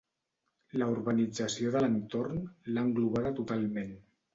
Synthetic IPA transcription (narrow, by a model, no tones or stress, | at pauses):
ləuɾβənid͡zəsioðələnt̪ornlaŋɡluβ̞aðət̪ut̪alˠmen